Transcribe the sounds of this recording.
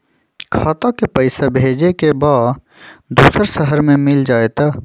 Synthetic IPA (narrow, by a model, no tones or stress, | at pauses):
kʰaːt̪akepəɪsebʱeːd͡ʒekebaːd | d̪uːsəɾsəɦəɾmẽmɪld͡ʒaːet̪aː